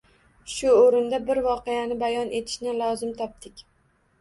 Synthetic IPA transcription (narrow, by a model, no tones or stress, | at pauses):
ʃʊoɾɪnd̪abɪɾvɒqejanɪbajɒnʔe̞t̪ʰɪ̥ʃnɪlˠɒzɪmt̪ʰɒp̚t̪ɪkʲ